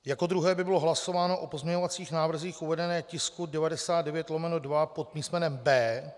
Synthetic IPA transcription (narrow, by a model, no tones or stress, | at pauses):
jako̞d̪ɾuɦɛːbɪbɪlo̞ɦlaso̞vaːno̞ʔopo̞zmɲɛɲo̞vat͡siːxnaːvr̩ziːxʔuvɛdɛnɛːcɪskudɛvadɛsaːd̪dɛvjɛt̪lomɛnodvapot̪miːstmɛnɛmbɛː